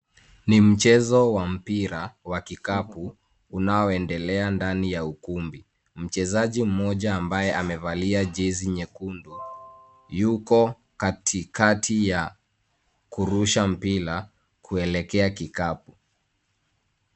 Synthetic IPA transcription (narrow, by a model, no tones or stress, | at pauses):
nim̩t͡ʃɛzɔwam̩piɾawakikapuː | naɔɛndɛlɛandanijaukumbi | m̩t͡ʃɛzaʄim̩mɔʄaːmbajɛʔamɛvaliaʄiziɲɛkundu | jukɔ | katʰikatʰija | kuɾuʃam̩piɾa | kʰuɛlɛkɛakikapu